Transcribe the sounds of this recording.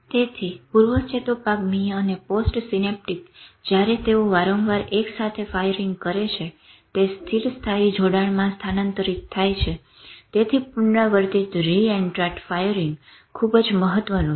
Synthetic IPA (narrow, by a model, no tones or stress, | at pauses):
t̪et̪ʰipuɾʋət͡ʃet̪opakmijəneposʈsinep̚ʈikd͡ʒjaɾet̪eoʋaɾõŋʋaɾeksat̪ʰefajəɾiŋɡkəɾet͡ʃʰe | t̪est̪ʰiɾst̪ʰaid͡ʒoɽaɭmãst̪ʰanənt̪əɾit̪ʰːajt͡ʃʰe | t̪et̪ʰipʊɳɖaʋəɾt̪it̪ɾiɛɳɖʈɾaʈfajəɾiŋɡ | kʰːubd͡ʒməɦət̪ʋənũ